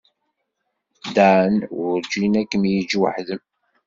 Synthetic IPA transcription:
d̪aʕənʊɾd͡ʒinækːəmjəd͡ʒwə̰ħðəm

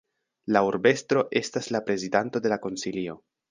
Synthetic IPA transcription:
lauɾbe̞stɾo̞ʔe̞staslapɾe̞zidanto̞de̞lako̞nsilio̞

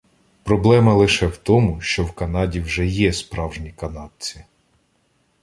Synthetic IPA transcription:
pɾɔblˠɛmɐlˠɪʃɛwt̪ɔmʊʃt͡ʃɔwkɐnɑdʲiwʒɛjɛspɾɑwʒnʲikɐnɑd̥̚t͡sʲi̥

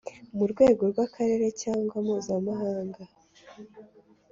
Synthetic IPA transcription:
muɾɡwe̞ːɡo̞ɾɡwakʰaɾe̞ːɾe̞caːŋɡwamhuːzamaɦaːŋɡa

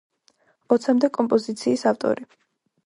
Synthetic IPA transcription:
ɔt̪sʰamd̪ɛkʼɔmpʼɔzit̪sʰiːsaft̪ʼɔ̰ɾi

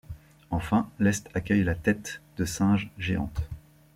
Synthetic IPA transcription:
ɑ̃fɛ̃lɛst̪akʲœjlat̪ɛt̪d̪̥əsɛ̃ʒʒeɑ̰̃t̪

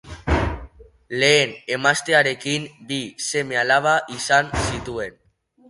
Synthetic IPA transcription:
le̞ːne̞mast̪e̞aɾe̞kimbise̞me̞alaβ̞aʔisansit̪ue̞n

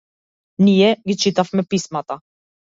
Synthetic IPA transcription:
nijɛɡʲit͡ʃit̪afmɛpismat̪a

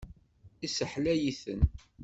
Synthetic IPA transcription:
isəħlæjiθə̰n

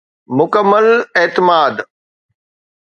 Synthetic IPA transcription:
mʊkəmːəlet̪ɪmaːd̪

